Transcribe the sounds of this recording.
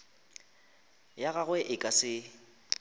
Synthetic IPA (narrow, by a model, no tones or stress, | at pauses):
jaɣaɣwɛʔɪkʼasɪ